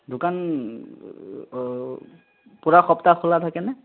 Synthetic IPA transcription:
dʊkan | puɹaxɔptakʰɔlatʰakɛnɛ

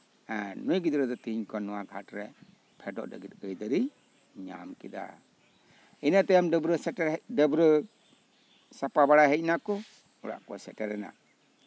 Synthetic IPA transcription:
ɛnujɡid̪ɾɛd̪ɔt̪iɲkʰɔnɔwaɡʱatɾɛ | pʰɛdɔ̰ʔdə̰ɡit̪̚əjd̪əɾi | ɲa̰mkid̪a̰ | inat̪ɛjamdbɾɔsɛɾdəbɾɯ | sapabaɽaɦɛc̚nakɔ | ɔɽa̰ʔkɔ̰sɛtɛɾɛna̰

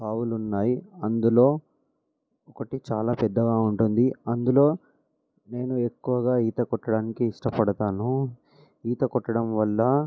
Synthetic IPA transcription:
paːwulunːaːjiɐnd̪ulo̞ː | ɔkɐʈit͡ʃaːlaːpɛd̪ːɐɡaːuɳʈund̪iɐnd̪ulo̞ː | ne̞ːnue̞kːuʋɐɡaːiːt̪ɐkɔʈːɐɽaːnikiːʂʈɐpɐɽɐt̪aːnu | iːt̪ɐkɔʈːɐɽɐmʋɐlːɐ

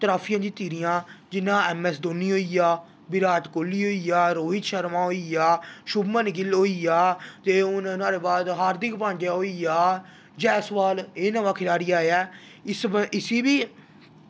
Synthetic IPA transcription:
t̪ɾaːpʰijãːd͡ʒ̪ĩːt̪iːɾijãːd͡ʒɪnːãːɛːmɛːsd̪oːniːɦoːijaː | bɪɾaːt̪koːlːiːɦoːiːaːɾoːɦɪt̪ʃəɾmãːɦoːiːjaːʃʊbmənɪɡɪlɦoːiːaːt̪eːʊnnaːɾeːbaːd̪ɦaːɾd̪ɪkpãːnd͡ʒjaːɦoːiːaː | d͡ʒɛːsʋaːleːnəʋaːkʰɪlaːɾiːaːeaː | ɪsɪsiːbiː

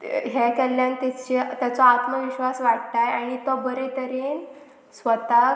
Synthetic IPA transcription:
ɦekɛlːjant̪ɛt͡ɕet̪jat͡sɔat̪məʋiɕʋasʋaɽt̪ajaɽ̃it̪ɔbəɾet̪əɾen | sʋət̪a

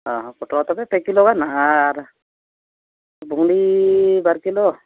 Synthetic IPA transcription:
ɔɦɔ̃pɔʈɾɔt̪ɔpɛpɛkilɔkanaʔaːɾ | buŋlibaɾkilɔ

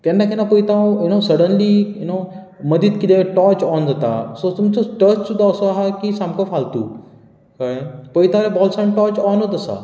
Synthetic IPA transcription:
k̪ɛ̃ndakʰɛnapojt̪ãjunosəɽənlijuno | məd̪it̪kit̪eʈɔt͡ʃɔnd͡zat̪a̰sot̪umt͡soʈət͡ɕud̪aəsoaɦakisãmkəfʰalt̪ṵ | kapojt̪ãɾebɔlsajmʈɔt͡ɕɔnɦot̪əsa̰

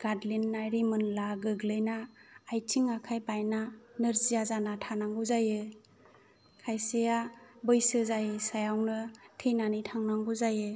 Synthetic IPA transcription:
ɡ̥adlinːajɾimɯnlaɡɯɡlɯjnaːjtʰiŋakʰajbajnanɯɾzijazanatʰanaŋɡuzajɯ | kʰajsejabɯjsɯzajɯsajawnɯtʰejnanitʰaŋnaŋɡuzajɯ

